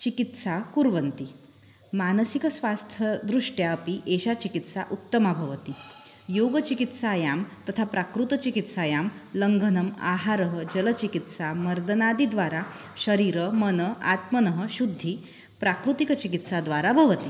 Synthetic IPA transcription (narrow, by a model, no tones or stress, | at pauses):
t͡ɕikit̪sakuɾʋənt̪i | manəsikəsʋast̪ʰəd̪ɾuʂʈjaəpiʔeɕat͡ɕikit̪sa̰ʔut̪ːəmabʱəʋət̪i | joɡət͡ɕikit̪sajamt̪ət̪ʰapɾakɾut̪ət͡ɕikit̪sajamləŋɡʱənəma̰ɦaɾəɦəd͡ʑələt͡ɕikit̪saməɾd̪ənad̪id̪ʋaɾaɕəɾiːɾəmənəa̰t̪mənəɦəɕud̪ʱːi | pɾakɾut̪ikət͡ɕikit̪sad̪ʋaɾabʱəʋət̪i